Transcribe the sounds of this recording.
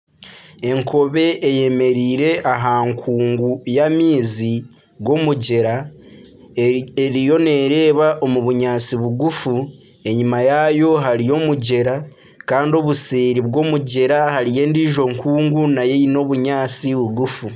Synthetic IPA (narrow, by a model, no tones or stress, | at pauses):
e̞ŋko̞βe̞ʔːje̞me̞ɾiːɾe̞ʔaɦaːŋkʰuːŋɡujamiːzi | ɡo̞muɟe̞ɾa | eɾijo̞ne̞ɾe̞ːβaʔo̞muβuɲaːt͡siβuɡufu | e̞ɲimajajo̞ɦaɾijo̞muɟe̞ɾa | kaːndio̞βuseːɾiβɡo̞muɟe̞ɾahaɾije̞ːndiːʒo̞ŋkuːŋɡunaje̞ino̞βuɲaːt͡siβuɡufu